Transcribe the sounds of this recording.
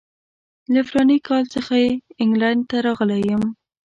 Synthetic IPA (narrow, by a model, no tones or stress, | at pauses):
lafɾɑnikɑlt͡səxajeɪŋɡlaɳɖ̚t̪aɾɑɣəlejəm